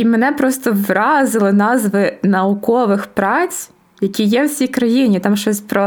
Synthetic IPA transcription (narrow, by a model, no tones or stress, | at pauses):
imenɛpɾɔst̪ɔʋɾɑzɪlˠɪnɑzʋɪnɐukɔʋɪxpɾɑt͡sʲ | jɐkʲijɛwsʲijkɾɐjinʲit̪ɑmʃɔsʲpɾɔ